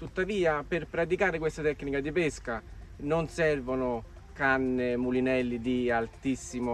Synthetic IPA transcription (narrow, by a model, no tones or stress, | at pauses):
t̪ut̪ːaviːapɪrpɾat̪̬ikaːɾɪkwest̪at̪ɛkːnikad̪ipeskanonsɛrvonʊ | kanːɪmulinɛlːid̪ialt̪isːimo